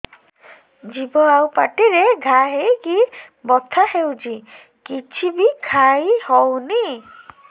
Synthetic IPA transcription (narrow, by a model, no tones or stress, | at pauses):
d͡ʒibɔawpaʈiɾeɡʱaɦejki | bɔt̪ʰahewd͡ʒi | kit͡ʃʰibikʰajhɔwni